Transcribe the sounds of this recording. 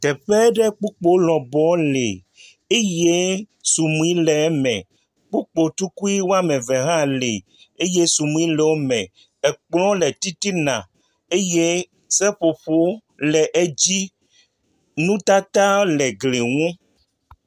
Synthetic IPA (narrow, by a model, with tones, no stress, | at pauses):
t̪ɛ˨ɸɛ˦ɖɛ˦k͡pu˦k͡po˦lɔ˨bɔ˨˦le˨ | e˦je˦ | su˨mũ˨i˦lɛ˨˦mɛ̰̃˨ | k͡pu˦k͡po˨t̪u˦ku˦i˦wo˦a˦mẽ˨ve˨ɦã˦le˨ | e˦je˦su˨mũ˦ĩ˦lɛ˨wo˦mɛ̰̃˨ | ɛ˨k͡plɔ̃˦le˨t̪i˦t̪i˦nã˨ | e˦je˦ | sɛ˦ɸo˨ɸo˦ | lɛ˨ʔe˦d͡ʑi˦ | nũ˦t̪a˦t̪a˦lɛ˨ɡle˨ŋũ˦